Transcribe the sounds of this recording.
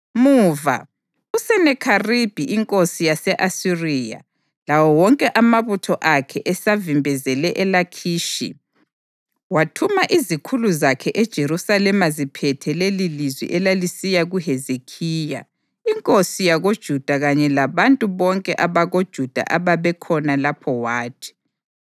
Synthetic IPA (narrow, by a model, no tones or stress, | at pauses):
muːva̰ | usɛnɛkʰarib̥ʱiʔiŋkʼosijasɛʔasiriːja̰ | lawɔwɔŋkʼɛʔamaβutʰɔʔakʰɛʔɛsavimbʱɛzɛlɛʔɛlakʰiːʃḭ | watʰumaʔizikʰuluzakʰɛʔɛd̥ʒ̥ʱeɾusalɛmazipʰɛtʰɛlelilizwḭʔɛlalisijaɣuɦezekʰiːja̰ | iŋkʼosijaɣod̥ʒ̥ʱud̥ʱaɣaɲɛlaβantʼuβɔŋkʼɛʔaβaɣod̥ʒ̥ʱud̥ʱa̰ʔaβaβɛkʰɔnalapʰɔwaːtʰi̥